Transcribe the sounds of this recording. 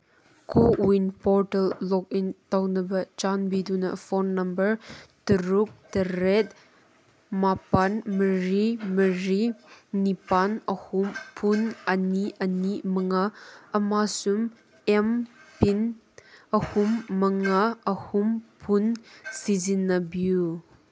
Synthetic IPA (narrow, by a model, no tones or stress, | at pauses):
kʰuwinpɔɾtɐlːɔk̚intawnɐbɐt͡ʃanbidunɐ̰fɔnːɐmbɐɾtəɾuk̚tɐɾet̚ | mapanməɾiməɾinipanɐhumpʰunɐniʔɐnimɐŋaɐmasum | ɛmpin | ɐhumːɐŋaʔɐhumpʰunsizinːɐbju